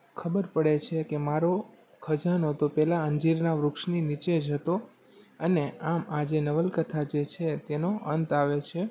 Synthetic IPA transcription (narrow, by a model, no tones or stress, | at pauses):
kʰəbəɾpəɽet͡ʃʰekemaɾo | kʰəd͡ʒanot̪opɛlaəɲd͡ʒiɾnaʋɾʊkʃninit͡ʃed͡ʒɦət̪o | əneamad͡ʒenəʋəlkət̪ʰad͡ʒet͡ʃʰet̪enoʔənt̪aʋet͡ʃʰe